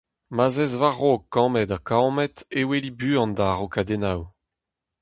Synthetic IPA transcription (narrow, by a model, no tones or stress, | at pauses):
mazɛzvaʁokːɑ̃mɛdakamɛtewelibyːɑ̃ndaʁokad̪enaw